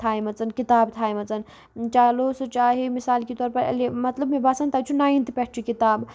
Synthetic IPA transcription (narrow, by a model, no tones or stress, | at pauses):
t̪ʰaːjmɐt͡sɐnkit̪aːbt̪ʰaːjmɐt͡sɐn | t͡ʃaːloːsɨt͡ʃaːɦimisaːlkit̪ɔːɾpɐɾɐ̰lemɐt̪ləbmibaːsɐnt̪aːt͡ʃʰunaːĩnt̪ipʲɛʈʰt͡ʃʰikit̪aːb